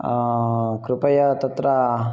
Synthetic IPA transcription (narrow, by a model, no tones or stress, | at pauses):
kɾupɐjɐt̪ɐt̪ɾɐ